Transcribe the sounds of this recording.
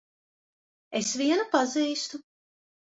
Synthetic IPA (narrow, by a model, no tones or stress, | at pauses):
esviɛnupaziːst̪u